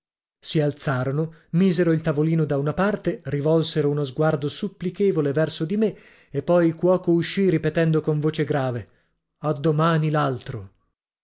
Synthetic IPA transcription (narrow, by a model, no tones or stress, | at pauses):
sialt̪saːɾonomiːzeɾoilt̪avoliːnod̪aunapart̪erivɔlseɾounozɡward̪osupːlikeːvolevɛrsod̪ime | epːɔjilkwɔːkouʃːiripet̪ɛnd̪okoɱvoːt͡ʃeɡɾaːve | ad̪ːomaːnilalt̪ɾo